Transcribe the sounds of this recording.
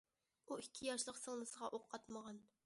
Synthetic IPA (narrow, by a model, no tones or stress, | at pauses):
uikʲʰːijɑʃlˠəqsɨŋnˠɨsəʁɑʔoqʰːɑt̪məʁɑn